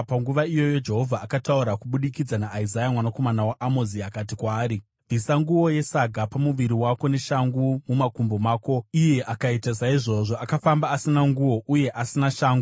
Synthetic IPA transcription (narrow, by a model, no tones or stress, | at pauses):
paŋɡuʋaijo̞jo̞d͡ʒe̞ɦo̞vʱaːkatauɾakuɓuɗikid͡zanaʔːizajamwanako̞manawaʔamoziakat̬ikwaːɾi | vʱisaŋɡuwo̞je̞saɡʱapamuʋiɾiwako̞ne̞ʃaŋɡumumakumbo̞maːko̞ije̞ʔakaitas̬aiʐo̞ʐo̞ʔakafambaːsinaŋɡuwo̞ʔuje̞ʔasinaʃaːŋɡu